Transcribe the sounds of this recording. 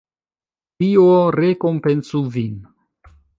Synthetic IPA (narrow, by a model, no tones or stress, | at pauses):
tioɾekompensuvin